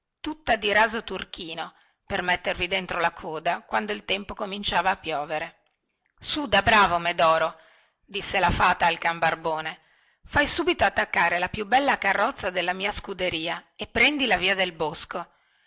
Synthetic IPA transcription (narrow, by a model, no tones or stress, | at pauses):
t̪ut̪ːad̪iɾaːzot̪urk̟ʰiːno | permet̪ːervid̪ent̪ɾolakʰoːd̪akwand̪oilt̪ɛmpokomint͡ʃaːvaːpːjɔːveɾe | sud̪abɾaːvomed̪ɔːɾo | d̪isːelafaːt̪aːlkambarboːne | fajsuːbit̪oat̪ːakːaːɾelapjubɛlːakarːɔt̪sːad̪elːamiːaskud̪eɾiːaepːɾɛnd̪ilaviːad̪elbosko